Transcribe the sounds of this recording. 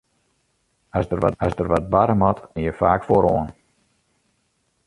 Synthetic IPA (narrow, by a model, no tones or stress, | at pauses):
asdəra̰asdərʋɔt̚baɾəmɔtɪjəfaːkfoɾoən